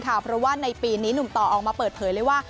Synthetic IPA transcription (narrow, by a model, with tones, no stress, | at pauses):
kʰa˥˩pʰɾɔ˦˥waː˥˩na˧jpiː˧niː˦˥nu˨˩mt̪ɔː˨˩ʔɔː˨˩k̚maː˧pɤː˨˩t̪̚pʰɤː˨˦jləɤː˧˥˩jwaː˥˩